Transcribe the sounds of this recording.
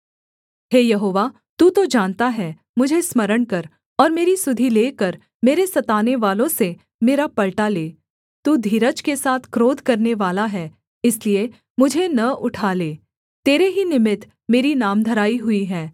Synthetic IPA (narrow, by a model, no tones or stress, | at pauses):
ɦeːjɐɦoːʋa | t̪uːt̪od͡ʒãːnt̪aɦɛː | mʊd͡ʒʱesmɐɾəɽ̃kɐɾ | ɔːɾmeːɾisʊd̪ʱileːkɐɾ | meːɾesɐt̪aːneʋaːlõse | meːɾapɐlʈaleː | t̪uːd̪ʱiːɾət͡ʃkesaːt̪ʰkɾoːd̪ʱkɐɾneʋaːlaɦɛː | ɪslie | mʊd͡ʒʱenɐʔʊʈʰaːleː | t̪eːɾeɦinɪmɪt̪ | meːɾinaːmd̪ʱɐɾaːiɦʊiɦɛː